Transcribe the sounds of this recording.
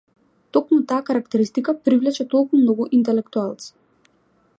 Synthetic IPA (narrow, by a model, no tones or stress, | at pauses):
t̪ɔkmut̪aːkaɾakt̪ɛɾist̪ikapɾivlɛt͡ʃɛt̪ɔlˠkumnɔɡuʔint̪ɛlɛkt̪ualˠt̪si̥